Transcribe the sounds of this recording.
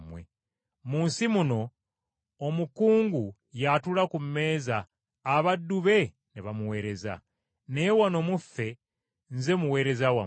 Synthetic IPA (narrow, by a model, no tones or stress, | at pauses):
mwḛ | muːnsimuno̞ː | mukuːŋɡu | jatulakumːe̞ːzaː | βadːuβe̞ | niβamuwe̞ːɾe̞za̰ | nejewano̞mufːe̞ | nze̞muwe̞ːɾe̞zawa̰